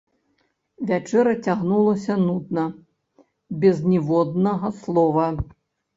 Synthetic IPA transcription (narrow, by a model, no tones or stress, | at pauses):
vʲat͡ʂɛɾɐt͡sʲaɣnulˠɐsʲɐnud̪nɐ | bʲɛznʲɛvɔd̪̚nɐɣɐslˠɔvɐ